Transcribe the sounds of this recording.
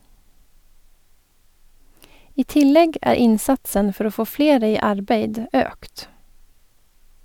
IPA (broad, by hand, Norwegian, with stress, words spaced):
ˈiː ˈtɪˌlɛɡ ˈæːɾ ˈɪnˌsɑtsən ˈfɔɾ ˈoː ˈfoː ˈfleːɾə ˈiː ˈɑɾˌbeɪd ˈøːkt